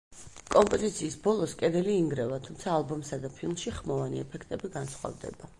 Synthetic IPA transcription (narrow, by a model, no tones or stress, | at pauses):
kʼɔmpʼɔzit̪sʰiːsbɔlˠɔskʼɛd̪ɛliːŋɡɾɛvat̪ʰumt̪sʰaːlˠbumsad̪apʰilˠmʃiχmɔvanḭɛpʰɛkʰt̪ʼɛbiɡansχwa̰vd̪ɛ̰ba